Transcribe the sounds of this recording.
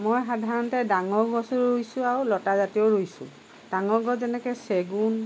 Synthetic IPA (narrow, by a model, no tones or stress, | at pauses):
mojxadʱaɹɔntɛdaŋɔɹɡɔsuɹojsʊ̃aɹulɔtazatiɔɹojsʊ̰̃ | d̥aŋɔɡɔzɛnɛkɛseɡun